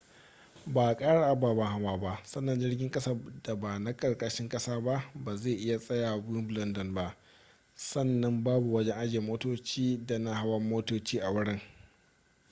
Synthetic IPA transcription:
baː˨kʼaː˦ɽa˨ʔa˦baː˨ba˦ŋɦa˦maː˦ba˦˨ʔsɐ˦nːɐ˨nd͡ʒɪ˦rɡʲɪ˦ŋkʼɐ˦sɐ˦d̥a˨ba˨na˦kʼɐ˨ɽkʼɐ˦˨ʃɪ˦ŋkʼɐ˦saː˦ba˦ʔbaː˨ze˦˨ʔɪ˦ja˦sʼɐ˦jaː˨bɪ˦mblɔ˦ndɐ˨nba˨ʔ | sɐ˦nːɐ˦mbaː˦bu˨wɐ˦d͡ʒɛ˦ŋʔa˦d͡ʒɪ˨e˨mːoː˦toː˦t͡ʃiː˦da˨na˦ɦa˦wɐ˦mːoː˦toː˦t͡ʃiː˦ʔa˨wʊ˦ɽɪ˦ŋ

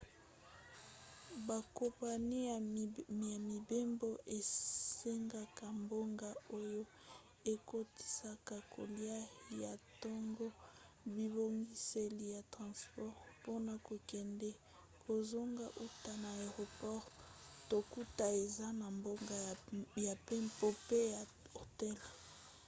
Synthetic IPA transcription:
ba˨kɔ˨pa˨ni˦ | ja˨mi˨be˦mbo˦ʔe˨se˦ŋɡa˦ka˨mbo˦ŋɡa˦o˦jo˦ | e˨ko˦ti̥˦sa˨ka˨kʰo̰˨lja˦ja˨to˦ŋɡɔ˦ | bi˨bo˦ŋɡi˦se˦li˨ja˨tʁã˨spɔ˦ʁpo˦na˨ko˨kɛ˨ndɛ˦ | ko˨zo˦ŋɡa˨ʔu˦ta˨na˨e˨ʁo˨pɔ˦ʁto˨ku˦ta˨e˨za˦na˨mbo˦ŋɡa˨ja˨pɛ˦mpo˦pe˦ja˨ | o˨tɛ˦l

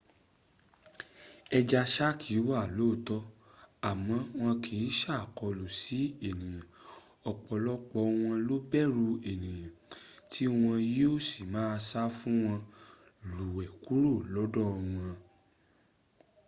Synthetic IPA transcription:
ɛ˧d͡ʒa˧ʃa˦kʰi˨˦wa˦˨loː˦˨tɔ˦ | a˨mɔ̃˨˦w̃ɔ̃˧kʰi˨˦ʃa˦˨kɔ˨˧lo˨si˨˦e˦˨nĩ˨ | ɔ˧k͡pɔ˧lɔ˦k͡pɔ˧w̃ɔ̃˧lo˦bɛ˦˨ɾu˧e˨nĩ˨ã˨tʰi˦˧w̃ɔ̃˧je˦o˦˨si˨mãː˨˦˧sa˦fũ˦w̃ɔ̃˧ | lu˨wɛ˨ku˦ɾo˦˨lɔ˨˦dɔ˦˨˧w̃ɔ̃˧

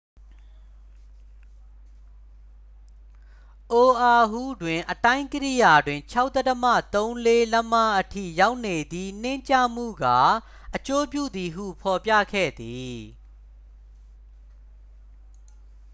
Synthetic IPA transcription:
ʔo˨ʔa˨hu˦˨dwɪ̃˨ʔətã˦ɪ̃kəɾḭ˦˨ja˨dwɪ̃˨t͡ɕʰa˦ʊʔt̪ɛ˦təmä̰˦˨t̪õ˦ʊ̃le˦lã˦ma˦˨ʔətʰḭ˦˨ja˦ʊʔne˨d̪i˦˨n̥ɪ̃˦ɲt͡ɕa̰˦˨m̥ṵ˦˨ɡa˨ | ʔət͡ɕo˦pjṵ˦˨d̪i˨ɦṵ˦˨pʰɔ˨pja̰˦˨kʰɛ̰˦˨d̪i˨

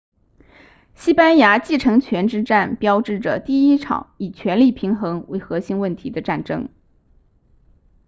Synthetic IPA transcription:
ɕi˥pa˥nja˧˥t͡ɕi˥˩ʈ͡ʂʰɤ˧˥ŋt͡ɕʰɥɛ˧˥nʈ͡ʂɻ̩˥ʈ͡ʂa˥˩npjɑ˥ʊʈ͡ʂɻ̩˥˩ʈ͡ʂə˨˩t̪i˥˩i˥ʈ͡ʂʰɑ̰˨˩˦ŋi˨˩t͡ɕʰɥɛ˧˥nli˥˩pʰi˧˥ŋxɤ˧˥ŋwe˧˥˩ɪxɤ˧˥ɕi˥˧nwə˥˩nt̪ʰi˧˥d̪ə˧ʈ͡ʂa˥˩nʈ͡ʂɤ̰˥ŋ

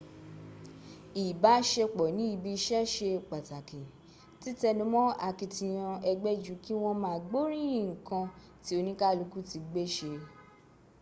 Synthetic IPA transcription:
i˨ba˨˦ʃe˧k͡pɔ˨nĩ˨˦i˨˧˨bi˧ʃɛ˦ʃe˧k͡pa˨ta˨kĩ˨ | ti˦tɛ˧nũ˦mɔ̃˦a˧ki˧tĩ˧j̃ã˧ɛ˧ɡ͡bɛ˦d͡ʒu˨˦ki˦w̃ɔ̃˦mãː˦˨ɡ͡bo˦ɾ̃ĩ˦i˦˨ŋ̩˨kã˧ | ti˦o˧nĩ˦ka˦˨lu˧ku˦ti˧ɡ͡be˦ʃe˧

